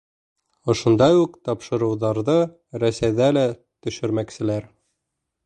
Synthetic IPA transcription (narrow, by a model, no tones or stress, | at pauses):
ŏʃŏnd̪ɑjuqt̪ɑpʃɤ̆ɾɤ̆wðɑɾðɤ | ɾæsæjðælæ | t̪ɵ̆ʃɘ̆ɾmæksɘ̆læɾ